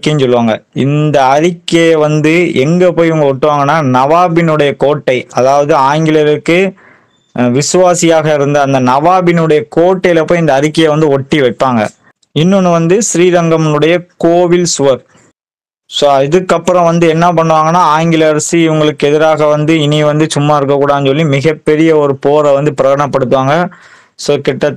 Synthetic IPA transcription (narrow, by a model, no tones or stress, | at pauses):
kːɐnsɔlːɯʋaːŋɡɐɪ̰nd̪ɐːɾɪkːeʋɐnd̪ɯʔɛŋɡɐpoːjɪʋɐŋɡɐɔʈːɯʋaːŋɡɐnːaːnɐʋaːbɪnɯɽɐjɐkoːʈːɐɪɐðaːʋɐðɯaːŋɡɪlɐɾkːɯ | ʋɪsɯʋaːsɪjaːɣɐɪɾɯnd̪ɐɐnd̪ɐnɐʋaːbɪnɯɽɐjɐkoːʈːɐjlɐpːoːjɪnd̪ɐːɾɪkːɐjeʋɐnd̪ɯɔʈːiʋɐʈ̚pːaːŋɡɐ̰ | ɪnːɯnːɯʋɐnd̪ɯsɾiːɾɐŋɡɐmnɯɽɐjɐkoːʋɪlsʊʋɐɾ | soːɪðɯkːɐpːɯɾɐ̃ʋɐnd̪ɯɛnːɐpɐɳːɯʋaːŋɡɐnːaːaːŋɡɪlɐɾsiɪʋɐŋɡɐɭɯkːɯɛðɪɾaːɣɐʋɐnd̪ɯɪniʋɐnd̪ɯt͡ʃʊmːaːɪɾɯkːɐkːuːɽaːðɯnsɔlːimɪɣɐpːɛɾɪjɐɔɾɯpoːɾɐʋɐnd̪ɯpɪɾɐɣɐɳɐpːɐɽɯt̪ːɯʋaːŋɡɐ | soːkɪʈːɐ